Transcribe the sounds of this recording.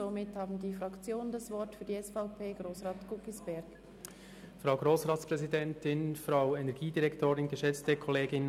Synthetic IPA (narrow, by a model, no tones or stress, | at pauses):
zomɪthɑːbn̩diːfʁɑkt͡sjoːnəndɑsvɔɾtfyːɐdiɛsfaʊpʰeːɡʁoːsʁɑːtɡ̥ʊkisb̥ɛɾɡ | fʁaʊɡʁoːsʁaːtt͡spʁɛzidɛntɪnfʁaʊɛnɛɐɡiːdiʁɛktʰoːɾɪnɡəʃɛt͡stəkʰɔleːɡɪn